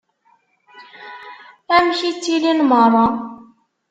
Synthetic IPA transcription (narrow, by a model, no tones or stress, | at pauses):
æmçit͡sːilinmɑɾˤɑ